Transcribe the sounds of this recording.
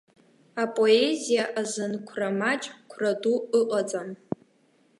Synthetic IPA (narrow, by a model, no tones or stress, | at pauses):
apʼo̞ezijaʔazɨnkʷʰramat͡ʃʼkʷʰraduɨqʼat͡sʼam